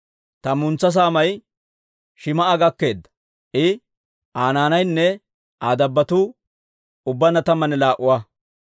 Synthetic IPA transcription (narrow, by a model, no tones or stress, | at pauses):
t̪ɐmʊnt͡sːɐs̬aːmɐj | ʃɪmɐʔaɡɐkːe̞ːd̪ːɐ̥ | ʔɪ | aːnaːnɐjnːɛ | aːd̪ɐbːɐt̪uː | ʊbːɐnɐt̪ɐmːɐnɛlaːʔʊwa